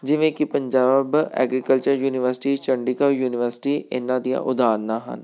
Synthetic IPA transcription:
d͡ʒɪʋẽːkɪpəɲd͡ʒaːbɛ̰ːɡɾikəlt͡ʃəɾjuːnɪʋəɾsɪ̥ʈiːt͡ʃəɳɖikaːjuːnɪʋəɾsɪ̥ʈiːʔɪ̰nãːd̪ijã̰ːʔʊd̪aːnːaːɦə̰n

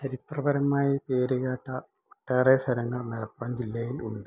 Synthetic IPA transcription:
t͡ɕɐɾit̪rɐbɐɾɐmːaːjipeːɾɨɣaːʈːɐ | oʈːeːresʰɐɾɐŋːɐɭnɐlɐpːɐmd͡ʑilːɐjilṵɳɖɨ

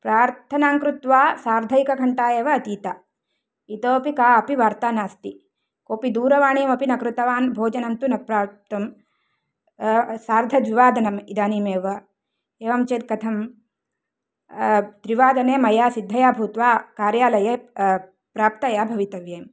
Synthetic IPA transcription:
pɾaːɾt̪ʰɐnaːŋkɾut̪ʋaːsaːɾd̪ʱɐjkɐɡʰʱɐɳʈaːjeːʋɐːt̪iːt̪a | it̪oːpikaːɐpiʋaːɾt̪aːnaːst̪i | koːpid̪uːɾɐʋaːɳijɐmɐpinɐkɾut̪ɐʋaːnbʱoːd͡ʒɐnɐnt̪unɐpɾaːt̪ɐm | saːɾd̪ʱɐd̪ʋiʋaːd̪ɐnɐmid̪aːniːmeːʋɐ | eːʋɐmt͡ʃeːt̪̚kɐt̪ʰɐm | d̪ɾiʋaːd̪ɐneːmɐjaːsid̪ʱːɐjaːbʱuːt̪ʋaːkaːɾjaːlɐjeː | pɾaːp̚t̪ɐjaːbʱɐʋit̪ɐʋjeːm

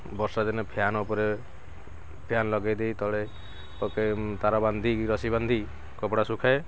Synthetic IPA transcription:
bɔɾsad̪enɔpʰjanupɔɾe | pʰjanlɔɡajd̪ejt̪ɔɭe | p̪ɔket̪aɾɔband̪ʱiiɾɔsiband̪ʱi | kɔpɽasukʰae

